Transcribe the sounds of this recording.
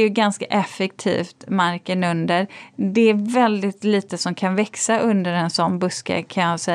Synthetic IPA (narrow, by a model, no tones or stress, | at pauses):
jɵɡanskaʔɛfɛk̚t̪ʰḭːft̪maɾkənɵnd̪əɾd̪ɛæɾvɛld̪ɪt̪liːt̪əsɔmkʰanvɛksaʔɵnd̪əɾɛnsɔnbɵskə̰kʰanjɑːsɛ